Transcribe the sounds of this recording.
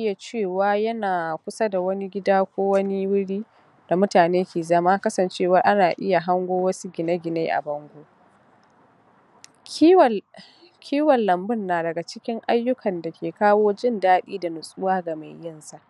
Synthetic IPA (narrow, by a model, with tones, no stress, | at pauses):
ʔɪ˦ja˨t͡ʃeː˦˨waː˦jɐ˦naː˨kʷʊ˦sa˦da˨wɐ˦ni˦ɡʲɪ˦daː˦kʷoː˦wɐ˦ni˦wʊ˦ɽiː˦ | d̥a˨mʊ˦taː˨neː˦kʲʰeː˨zɐ˦maː˦kɐ˦sɐ˨nt͡ʃeː˦˨wɐ˨ʔa˦naː˨ʔɪ˦ja˨ɦa˦ŋɡʷoː˦wɐ˦su˦ɡʲɪ˨na˦ɡʲɪ˨neː˦ʔa̰˨bɐ˦ŋɡʷoː˦˨ | kʲʰiː˦wɐ˨lːɐ˨mbɪ˦˨nːaː˨dɐ˨ɡa˨t͡ʃɪ˦kʲɪ˦ŋʔa˦jːʊ˦kʰɐ˨nda˨kʲʰeː˨kaː˦woː˦d͡ʒɪ˦˨ndaː˦ɗḭː˦da˨nʊ˨sʼʊ˦waː˦ɡa˨ma˨jjɪ˦nsa˦˨ʔ